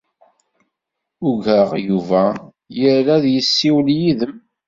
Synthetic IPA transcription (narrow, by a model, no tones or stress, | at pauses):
ʊɡəʁjuvæ | jəɾlæðjəsːiwljiðəm